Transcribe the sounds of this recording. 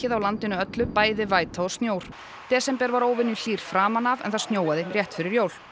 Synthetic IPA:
ɪðawlant̪ɪnʏœt̪lʏpaːjðɪvaːjt̪ʰaɔst̪njoːwɾ̥ | t̪ɛːsɛmpɛɾvaɾoːwvɪnːʏl̥iːr̥fɾaːmanavɛ̰nθaðst̪njoːwaðɪrjɛht̪fɪɾɪɾjoːwl̥

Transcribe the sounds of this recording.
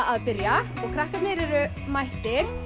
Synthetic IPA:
aðpɪɾja | ɔɣkʰɾahkanɪɾɛɾʏ | majht̪ɪɾ̥

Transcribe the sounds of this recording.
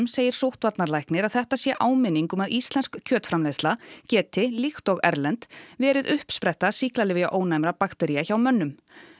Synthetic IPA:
mseːjɪɾ̥sowht̪vat̪naɾlajknɪɾaðθɛht̪asjɛʔaːwmɪnːiŋkʏmaðist̪lɛnskcʰːœːt̪fɾamlest̪lacɛːt̪ɪlixt̪ɔɣɛ̰ɾlɛnt̪vɛːɾɪðʏhpspɾɛht̪asihklalɪːvɪɣaʔoːwnajmɾapakt̪ɛɾijaçawmœnːʏm

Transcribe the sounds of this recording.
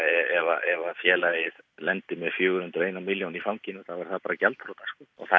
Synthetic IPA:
ɛɛvaʔɛvafjɛːlajɪðlɛnt̪ɪmɛðfjœːɣʏɾhʏnt̪ʏɾeːjnamɪljownifawmcɪinʏθavaɾ̥θapaːɾacalt̪fɾɔt̪askɔɔ̰ɣθa

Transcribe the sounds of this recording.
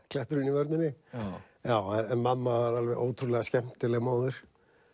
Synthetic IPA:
kʰlɛht̪ʏɾɪnivœɾt̪nɪnːɪ | jaːwɛɛmamːavaɾalvɛɾʔo̰ːwt̪ʰɾulɛɣascɛm̥t̪ɪlɛɣmoːwðʏɾ̥

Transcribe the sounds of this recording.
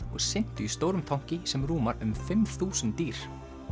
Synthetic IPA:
ɔɣsɪn̥t̪ʏist̪oːwɾʏmt̪ʰawɲ̥cɪsɛmɾuːmaɾʏmfɪmθuːsʏnt̪iːɾ̥

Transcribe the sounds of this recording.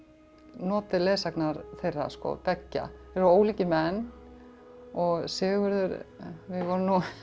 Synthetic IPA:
nɔːt̪ɪleːsaknaɾθejrːa̰skɔ̰pɛcːa̰ɛɾoːwliːcɪmɛnː | ɔɣsɪːɣʏɾðʏɾvɪðvɔɾnːu

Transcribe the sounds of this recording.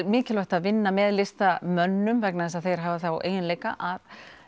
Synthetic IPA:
mɪːcɪlvœht̪aðvɪnːamɛːðlɪst̪amœnːʏmvɛknaðɛsaðθejɾ̥ɦaːvaθawʔḛːjðɪnleːjka̰ʔað

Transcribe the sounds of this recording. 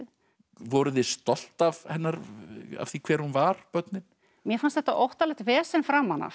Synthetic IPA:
vɔɾʏðɪst̪ɔl̥t̪avhɛnːaɾa̰vθikʰvɛːɾhunvaɾ̥pœt̪nɪn | mjɛfanst̪θɛht̪aʔowht̪alɛht̪vɛːsɛnfɾamanːa̰

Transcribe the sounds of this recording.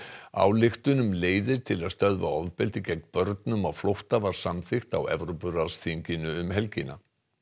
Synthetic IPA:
a̰wlɪxt̪ʏnʏmleːjðɪɾ̥t̪ʰɪlaðst̪œðva̰ɔvpɪlt̪ɪcɛkpœɾt̪nʏmawflowht̪avaɾ̥samθɪxt̪a̰wɛ̰vɾopʏɾasθiɲcɪnʏʏmɦɛlcɪna̰

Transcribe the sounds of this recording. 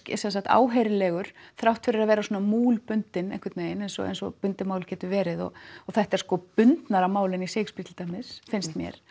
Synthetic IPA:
csɛnsaht̪a̰ːwɦejɾɪlɛːɣʏɾ̥θɾawht̪fɪɾɪɾaðvɛːɾasɔːnamuːlpʏnt̪ɪnɛ̰n̥kvɪɾt̪nejɪnensɔ̰nsɔ̰pʏnt̪ɪmaːwlcʰɛːt̪ʏvɛːɾɪðɔ̰ɣɔθaht̪ɛɾ̥skɔpʏnt̪naɾamaːwlɪniseːkspit̪ʰɪlt̪ajmɪsfɪnst̪mjɛ̰ɾ̥

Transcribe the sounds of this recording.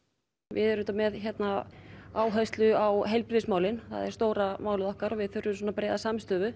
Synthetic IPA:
vɪ̰ðɛɾʏt̪amɛðçɛt̪naaːwɦast̪lʏawɦejlpɾɪsmaːwlɪnθa̰ðɛɾ̥st̪oːwɾamaːwlɪðɔhkaɾɔvɪðθʏɾːʏsɔnapɾeːjðasamst̪œːvʏ

